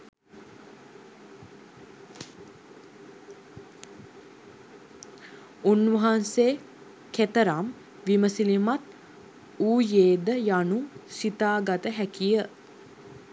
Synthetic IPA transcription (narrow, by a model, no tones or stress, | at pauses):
unʋəɦanseː | ket̪əɾam | ʋiməsilimat̪ | uːjeːd̪əjanusit̪aːɡat̪əɦækijə